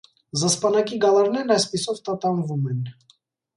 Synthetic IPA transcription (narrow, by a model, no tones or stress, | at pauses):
zəspɑnɑkiɡɑlɑɾnɛɾɑjspisɔvt̪ɑt̪ɑnvumɛn